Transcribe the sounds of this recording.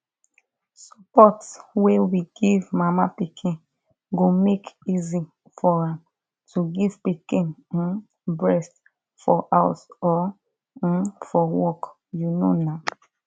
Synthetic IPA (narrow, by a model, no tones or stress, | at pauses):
sapɔtswewiɡivmamapikʰĩ | ɡomekizi | fɔɹãm | tʰuɡiv̥pikĩn̩ | bɹɛst | fɔʔasɔ | fɔwɔk | juno̰na